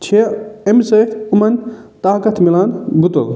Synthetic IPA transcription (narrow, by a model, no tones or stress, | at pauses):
t͡ʃʰeemsɐt̪ʰumɐnʲ | t̪aːkɐt̪ʰmilaːnbut̪ɐ̰l